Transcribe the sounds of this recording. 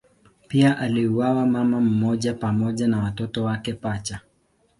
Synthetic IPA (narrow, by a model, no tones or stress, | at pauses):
piaʔaliuwawamamam̩mɔʄapamɔʄanawatɔtɔwakɛpat͡ʃa